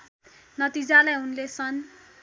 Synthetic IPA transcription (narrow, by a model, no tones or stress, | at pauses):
nʌt̪id͡zalajɦunlesʰʌn